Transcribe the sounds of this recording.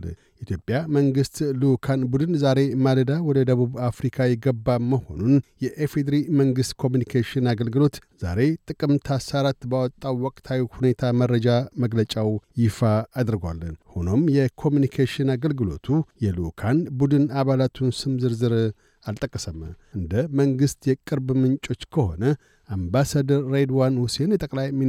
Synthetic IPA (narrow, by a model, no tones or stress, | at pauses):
ʔit̪ʰjo̞pʼjaməŋɡɨst̪lukʰanbud̪ɨnzaɾe̞maləd̪awɔd̪əd̪əβuβafɾikʰajɛɡəbːaməho̞̰nunjɛʔefed̪ɾiməŋɡɨst̪kʰo̞mjunikʰaʃɪnaɡəlɡɨlo̞t̪z̥a̰ɾe̞t̪ʼɨkʼɨmt̪ʰasaɾat̪bawɔt̪ʼːawwɔkʼt̪ʰawihune̞t̪ʰaməɾəd͡ʒaməɡlət͡ʃʼawjɪfaːd̪ɨɾɡwa̰lːənhuno̞mjɛkʰo̞mjunikʰaʃɪnaɡəlɡɨlo̰t̪ʰujɛlukʰanbud̪ɨnaβalat̪ʰunsɨmzɨɾzɨɾ | alt̪ʼəkʼːəsəmʔɨnd̪əməŋɡɨst̪jɛkʼɨɾbmɨnt͡ʃʼo̞t͡ʃːkʰəho̞̰nə | ambasad̪əɾːed̪wanhusenjɛt̪ʼəkʼlajmi